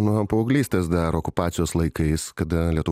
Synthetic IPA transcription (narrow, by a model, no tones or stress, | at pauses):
nʊpɐʊːɡlʲiːst̪ɐsd̪ɐɾoːkʊpɑːt̪sʲɪjoːslˠɐɪkɐɪskɐd̪ɐlʲiɛt̪ʊʋ